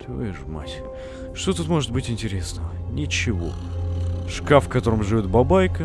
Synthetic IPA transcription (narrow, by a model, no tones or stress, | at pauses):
t̪vɨ̰ʐma̰tʲ | ʂt̪ot̪ut̪mo̞ʐɨt̪bɨtʲɪnʲtʲɪɾʲesnəvənʲɪt͡ɕɪvo̞̰ | ʂkafkɐt̪o̞ɾəmʐɨvʲo̞t̪̚bɐbajkə